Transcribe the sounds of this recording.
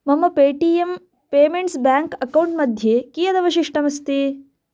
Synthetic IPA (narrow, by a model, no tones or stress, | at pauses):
mɐmːɐpeːʈiːem | peːmeɳʈsbaːŋkɐkɐwuɳʈmɐd̪ʱjeːkiːjɐd̪ɐʋɐʃiʂʈɐmɐst̪eː